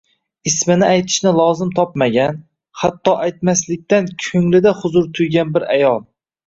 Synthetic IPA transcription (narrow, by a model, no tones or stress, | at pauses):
ɪsmɪnɪajt̪ʰɪ̥ʃnɪlˠɒzɪmt̪ʰɒp̚maɡʲan | hat̪ʰːɒʔajt̪maslɪk̚ʲt̪ankʲʰɵŋlɪd̪ahʊzʊɾt̪ʰʊjɡʲanbɪɾa̰jɒlˠ